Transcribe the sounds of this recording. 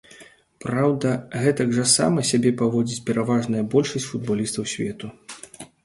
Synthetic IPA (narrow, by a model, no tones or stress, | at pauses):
pɾawd̪ɐɣɛt̪ɐɡʐɐsa̰mɐsʲabʲɛpavɔd͡zʲit͡sʲpʲɛɾavaʐnɐjɐbɔlʲʂɐsʲt͡sʲfud̪̚balʲist̪ɐwsʲvʲɛt̪u